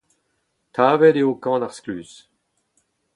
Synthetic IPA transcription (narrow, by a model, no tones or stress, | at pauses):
t̪ʰaːvɛdeokɑ̃ːnaʁsklyːs